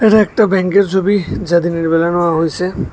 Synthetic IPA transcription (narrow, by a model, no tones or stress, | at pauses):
eɾeek̚ʈabɛŋkeɾt͡ʃʰobid͡ʒad̪iniɽibelanɔwaɦojse